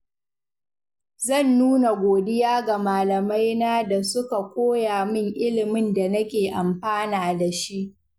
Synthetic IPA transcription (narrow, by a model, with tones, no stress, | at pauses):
zɐ˦˨nːuː˦na˨ɡʷoː˨dɪ˦jaː˦ɡa˨maː˨lɐ˨ma˦jnaː˦da˨sʊ˦ka˨kʷʼoː˦jaː˨mɪ˦ŋʔɪ˦lɪ˨mɪ˦nda˨nɐ˦kʲeː˨ʔa˨mɸaː˦naː˨da˨ʃi˦ʔ